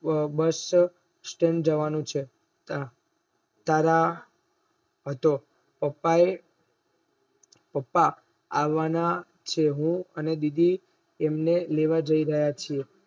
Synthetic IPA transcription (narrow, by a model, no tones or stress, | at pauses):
bəs | sʈẽɳd͡ʒəʋanũt͡ʃʰe | t̪a | t̪aɾa | ɦət̪o | pəpːae | pəpːa | aʋana | t͡ʃʰeɦũəned̪id̪ʱiː | mneleʋad͡ʒəiɾəɦjat͡ʃʰie